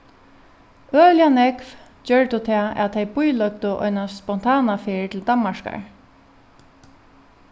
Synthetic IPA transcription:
œːljanɛkv | d͡ʒœɹt̪ʊt̪ʰɛaːæ̰ðt̪ʰejbʊjlœk̚t̪ʊʔɔ̰jnaspɔn̥t̪ʰaːnafet̪ʰɪld̪anmaʂka̰ɹ

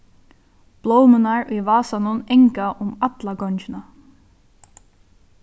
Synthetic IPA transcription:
b̥lowmɪnaɹiʋaːsanʊneŋkaʔʊmat̪laɡɔnt͡ʃɪna

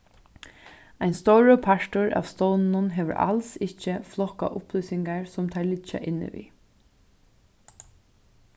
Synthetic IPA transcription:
ajnst̪ɔwɾəpʰaʂt̪ʊɹa̰ːʋst̪ɔwnnʊnɦɛːʋə̰ɹʔa̰lsɪhcːəflɔka̰ʔʊplʏːsɪŋkaɹsʊmt̪ʰaːɹlɪt͡ʃːa̰ʔɪnːɪ̰ʋḭː

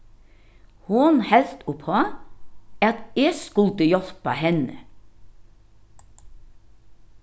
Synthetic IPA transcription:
hʊnhɛlt̪ʊphɑ | æːɑt̪eːskʉlt̪əjɔlpɑ̰hɛnə̰

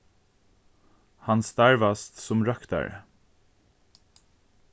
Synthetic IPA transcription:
hɑnst̪æɹʋɑst̪sʊmɹɑkt̪ɑ̰ɹ

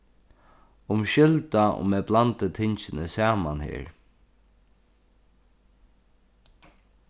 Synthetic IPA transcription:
ʊmʃʏlt̪aʔʊ̰mɛblant̪ət̪ʰɪɲt͡ʃɪnəsaːmanhḛːɹ

